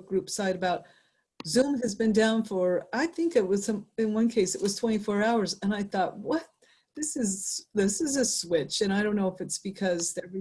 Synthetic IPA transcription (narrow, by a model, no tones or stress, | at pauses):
ɡ̥ɹʉpsaɪɾɨbaʊt̪̚ | z̥ʉ̃mɨzbɨ̃ndãʊ̃nfə˞aɪθɪ̃ŋkɨt̚wʌz̥ʌ̃mɨ̃nwʌ̃nkʰeɪsɨʔ̚wʌz̥tʰw̥ɛ̃ɾ̃ifɔɹaʊə˞zɨ̃naɪθɔt̚wʌt̪̚ | ðɪsɨzðɪsɨzɨswɪt͡ʃɨ̃ɾ̃aɪɾõʊ̃nːoʊəfɨtsb̥ɨkʰʌzðɛv